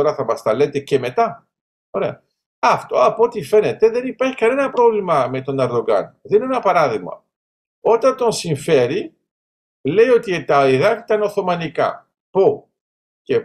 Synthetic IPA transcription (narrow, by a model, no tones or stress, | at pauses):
oɾɐθɐmɐst̪ɐle̞t̪e̞ce̞me̞t̪ɐ | o̞ɾe̞ɐ̰ | ɐft̪o̞ɐpot̪ife̞ne̞t̪e̞ðe̞nipɐɾçi̥kɐne̞nɐpɾo̞vlimɐme̞t̪o̞nɐɾðo̞ɡɐ̰nðeinenɐpɐɾɐðiɣmɐ̰ | o̞t̪ɐnt̪o̞nsiɱfe̞ɾi | lejo̞t̪it̪ɐiðɐk̪it̪ɐno̞θo̞mɐnikɐ̰ | po | ce